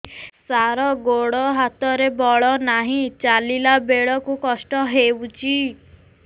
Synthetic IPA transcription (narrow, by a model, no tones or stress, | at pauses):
saɾɔɡoɽɔɦat̪ɔɾebɔɭɔnaɦĩt͡ʃalilabeɭɔkukɔsʈɔɦewt͡ʃʰi